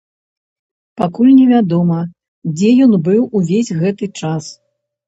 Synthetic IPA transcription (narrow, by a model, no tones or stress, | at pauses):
pakulʲnʲɛvʲad̪ɔmɐ | d͡zʲɛjɔnbɨwuvʲezʲɣɛt̪ɨt͡ʂas